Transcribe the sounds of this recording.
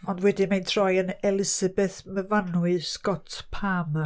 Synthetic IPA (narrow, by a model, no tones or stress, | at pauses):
ɔndwɛdɨmajntʰrɔjənɛlˠɪsəbɛθməvanwɨskɔtʰpʰam